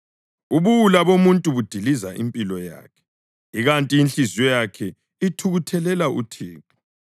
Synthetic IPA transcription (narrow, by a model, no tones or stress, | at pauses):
uβuwulaβomuntʼuβud̥ʱilizaʔimpʼilɔja̰ːkʰɛ̥ | iɣantʼiinɬizɔjakʰɛ | itʰuɣutʰɛlɛlaʔṵtʰiːtʼu̥